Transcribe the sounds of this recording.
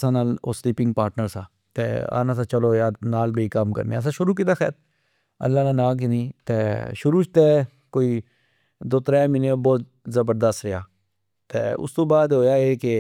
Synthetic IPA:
sãːnaːlo̰ːsliːpɪ̃ŋɡ̚paːɾʈnəɾsãː | t̪ḛːa̰ːnãːsaːt͡ʃəloːjaːnaːlbeiːkəmkə̰ɾnḛəs̬ãːʃʊɾuːk̬ɪt̪aːxɛ̰ːt̪ | ə̰lːaːnãːnaːk̬ɪnĩːt̪eːʃʊɾuːt͡ʃt̪eː | koːiː | d̪oːt̪ɾɛːmɪnebɔːt̪ | zəbəɾd̪əst̪ɾɪjaː | t̪eːʊ̰st̪õːbaːd̪ɦoːjaːeːke

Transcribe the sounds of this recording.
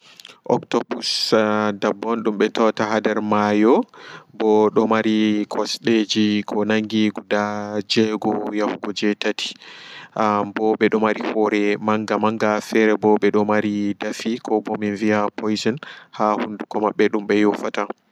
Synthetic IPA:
ʔɔ̰ktɔbusdabːɔnɗumɓɛtɔtaɦadɛɾmajɔbɔɗɔmaɾikʰɔsɗed͡ʒikʰɔnaŋɡiɡudad͡ʒɛɡɔjahuɡɔd͡ʒɛtatʰi̥abɔɓɛɗɔmaɾihɔɾɛmaŋɡamaŋɡafɛɾɛbɔɓɛɗɔmaɾidafikʰɔbɔminviapʰɔjzɛnhahundukɔmaɓːɛɗumɓɛjɔfata

